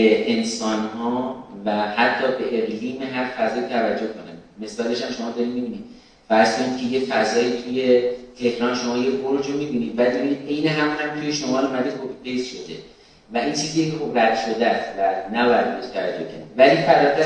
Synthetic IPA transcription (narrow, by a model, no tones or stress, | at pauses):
eʔensɒːnhɒːvæhæt̪ʰːɒːbe̞ʔeɣliːme̞ɦæɾfæzɒːjiːt̪ʰævæd͡ʒːohkʰonænme̞sɒːle̞ʃæmʃo̞mɒːd̪ɒɾimibiːniːd̪̥ | fæɾz̥kʰo̞niːd̪kʲʰe̞je̞fæzɒːjiːt̪ʰuje̞t̪ʰe̞hɾɒːnʃo̞mɒːje̞boɾd͡ʒomibiːniːd̪bæd̪̚bebiniːd̪e̞jneɦæmuːnhæmt̪ʰujeʃomɒːlumæd̪iːd̪̚ʰopʰifejsʃod̪e̞ | væʔint͡ʃʰiːziːecʰexo̞bræd̪̥ʃo̞d̪æsvæd̪næbɒːjæd̪̚beɾeʃt̪ʰævæ̰d͡ʒːohcʰæ̰ɾid̪væliːfæɾæt̪æ